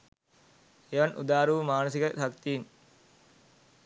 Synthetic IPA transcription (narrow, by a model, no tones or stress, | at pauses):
eʋɐnʔṵd̪aːɾuʋmaːnos̬ikəʃakt̪iːn